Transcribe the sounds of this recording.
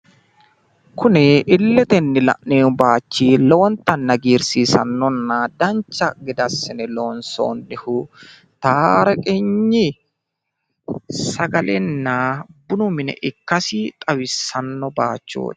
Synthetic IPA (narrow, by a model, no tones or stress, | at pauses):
kʊnɪʔɪlːɛt̪ɛnːɪlɐ̰ʔneːnbaːt͡ʃːiːlɔwɔnt̪ɐnːɐɡiːɾsiːsɐ̰nːɔnːad̪ɐnt͡ʃːɐɡɪd̪ɐsɪnɛloːnso̰ːnːɪhʊ | t̪aːɾɐkʼɛɲːɪ | sɐɡɐlɛnːaːbʊnʊmɪnɛ̰ʔɪkːɐsɪt̪ʼɐwɪsɐnːɔbaːt͡ʃːo̰ːt̪